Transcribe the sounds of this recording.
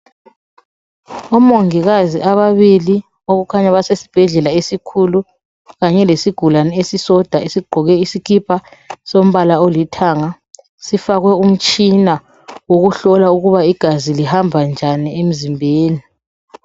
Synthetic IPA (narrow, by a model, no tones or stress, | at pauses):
ɔmoŋiɣaziʔaβaβili | oɣukʰaɲaβasesi̥b̥ʱɛɮɛlaesikʰulu | ɣaɲɛlesiɡ̥ʱulanɛesisɔd̥ʱaesiɡ͡ǃʱɔɣɛisikʰipʰasom̩βalaolitʰaːŋa | sifaɣwɛum̩t͡ʃʼina | woɣuɬɔlauɣuβaiɡ̥ʱazilihambʱand͡ʒʱaniem̩zimbʱeːni